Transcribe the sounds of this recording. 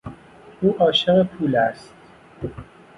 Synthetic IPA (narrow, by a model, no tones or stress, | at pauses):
uːʔɒːʃeɣepʰuːlæst̪̚